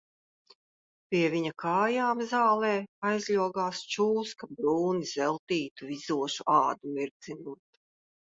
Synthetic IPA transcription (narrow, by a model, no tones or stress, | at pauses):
pʲiɛvʲiɲakʰaːjaːmzaːlˠɛːajzlʲuɔɡaːst͡ʃuːskabɾuːniz̥ɛlˠt̪iːt̪uvizuɔʃuʔɑːd̪umiɾd̪zinuːt̪